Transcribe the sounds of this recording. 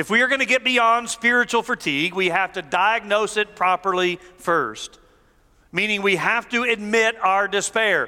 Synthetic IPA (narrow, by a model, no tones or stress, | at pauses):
ɨfwiə˞ɡʌñɨɡɛt̚b̥iɑ̃nd̥spɪɹɨt͡ʃul̩ˠfə˞tʰiɡwihæftɨdaɪɨɡ̚noʊsɨt̚pʰɹ̥ɑpə˞lˠifɜ˞st | mĩnɪ̃ŋwihæftɨɨd̚mɪɾaʊə˞dɨspɛɹ